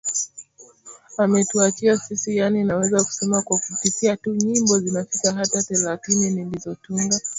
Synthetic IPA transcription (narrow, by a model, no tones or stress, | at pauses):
amɛtuat͡ʃiasisijaninawɛzaku̥sɛmakwakufikiatuɲimbɔzinafikaɦataθɛlaθininilizɔtuŋɡa